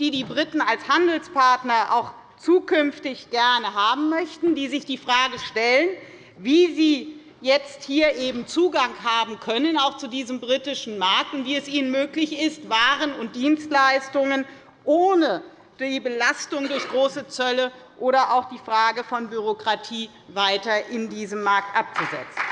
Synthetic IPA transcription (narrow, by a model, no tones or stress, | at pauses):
d̥iːdiːbʁitn̩alshandl̩spʰaɐtnɐʔa̰ʊx | t͡suːkʰʏnftɪçɡ̥ɛɐnəɦaːbm̩mœçtn̩diːzɪçd̥iːfʁ̥aːɡəʃtɛlən | viːziː | jɛt͡sthiːɐʔeːbm̩t͡suːɡaŋhaːbm̩kʰœnənaʊxt͡sudiːzəmbʁitɪʃn̩maɐk̚tʊntv̥iːɛsʔiːnənmøːklɪçɪstv̥aːʁənʊnt̚d̥iːnstlaɪstʊŋən | ʔoːnə | d̥iːbəlastʊŋdʊɐçɡ̥ʁoːsət͡sœləʔoːɾɐʔaʊxd̥iːfʁ̥aːɡəfɔnbyʁ̞okʁ̥atʰiː | vaɪtɐʔɪndiːzəmːaɐk̚tʔap̚t͡suzɛ̰t͡sn̩